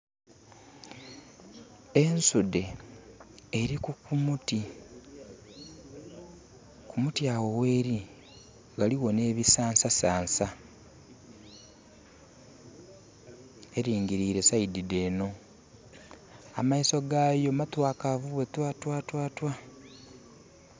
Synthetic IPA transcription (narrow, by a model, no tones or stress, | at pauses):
e̞nsude̞ː | ɾikukumuti | kumutjawo̞we̞ːɾi | ɡaliwo̞ne̞ːβisaːnsasaːnsa | e̞ɾiːŋɡiɾiːɾe̞saidide̞ːno̞ | amaiso̞ɡajo̞matwaːkavuβetwaːtwaːtwaːtwa